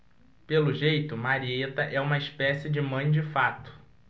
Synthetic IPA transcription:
pelʊʒejt̪ʊmaɾiet̪ɐʔɛũmɐispɛsɪd͡ʒɪmɐ̃j̃d͡ʒɪfat̪ʊ̥

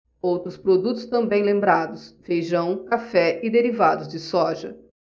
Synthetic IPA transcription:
owt̪ɾʊspɾod̪ut̪ʊst̪ɐ̃mbẽj̃lẽmbɾad̪ʊsfejʒɐ̃w̃kafɛɪd̪eɾivad̪ʊzd͡ʒɪsɔʒɐ

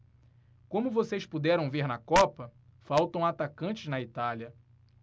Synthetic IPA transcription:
kõmʊvosejspud̪ɛɾɐ̃w̃veɾnɐkɔpɐ | fawt̪ɐ̃w̃at̪akɐ̃t͡ʃɪznɐit̪aljɐ

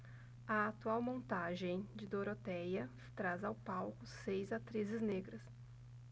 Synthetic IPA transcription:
ɐat̪uawmõnt̪aʒẽj̃d͡ʒɪd̪oɾot̪ɛjɐ | t̪ɾazawpawkʊsejzat̪ɾizɪzneɡɾɐs

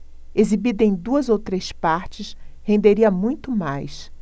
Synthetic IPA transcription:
ezibid̪ẽj̃d̪uɐzowt̪ɾespaɾt͡ʃɪshẽnd̪eɾiɐmũj̃t̪ʊmajs

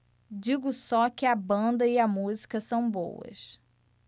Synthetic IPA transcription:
d͡ʒiɡʊsɔkɪɐbɐ̃nd̪ɐiɐmuzikɐsɐ̃w̃bo̰wɐ̰s

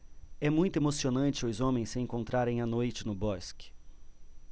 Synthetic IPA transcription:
ɛmũj̃t̪ʊemosionɐ̃t͡ʃɪʊzõmẽj̃sɪẽŋkõnt̪ɾaɾẽj̃ɐnojt͡ʃɪnʊbɔskɪ̥

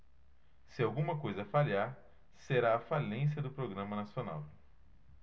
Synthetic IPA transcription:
sɪawɡũmɐkojzɐfaliaɾ | seɾaːfalẽs̬jɐd̪ʊpɾoɡɾɐ̃mɐnasjona̰w

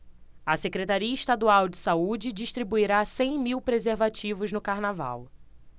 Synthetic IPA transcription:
ɐsekɾet̪aɾiɐiʃt̪ad̪uawd͡ʒɪsaud͡ʒɪd͡ʒiʃt̪ɾibuiɾasẽj̃miwpɾezeɾvat͡ʃivʊznʊkaɾnava̰w

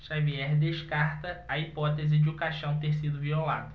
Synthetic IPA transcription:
ʃaviɛɾd̪eʃkaɾt̪ɐɐipɔt̪ezɪd͡ʒɪukaʃɐ̃w̃t̪eɾsid̪ʊviola̰d̪ɐ

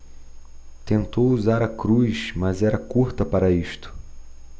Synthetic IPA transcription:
t̪ẽnt̪owuzaɾɐkɾujʃmɐzɛɾɐkuɾt̪ɐpaɾɐiʃt̪ʊ̥

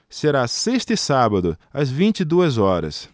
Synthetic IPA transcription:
seɾaseʃt̪ɪsabɐd̪ʊɐzvĩnt͡ʃid̪uɐzɔɾɐ̰s

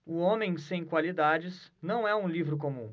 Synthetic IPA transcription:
ʊõmẽj̃sẽj̃kwalid̪ad͡ʒɪsnɐ̃w̃ɛũlivɾʊk̬omũ

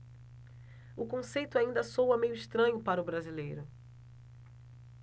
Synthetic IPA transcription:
ʊkõsejt̪ʊaĩnd̪ɐsowɐmejʊiʃt̪ɾɐ̃ɲʊpaɾɐʊbɾazilejɾʊ

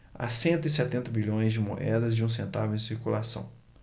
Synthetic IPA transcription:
a̰sẽnt̪ʊisɛt̪ẽnt̪ɐbiʎõj̃zd͡ʒɪmo̰ʔɛd̪ɐzd͡ʒɪũs̬ẽnt̪avʊẽsiɾkulasɐ̰̃w̃

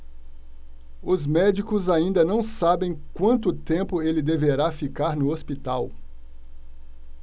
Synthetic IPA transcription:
ʊzmɛd͡ʒikʊzaĩnd̪ɐnɐ̃w̃sabẽj̃kwɐ̃nt̪ʊt̪ẽmpʊelɪd̪eveɾafikaɾnʊospit̪aw

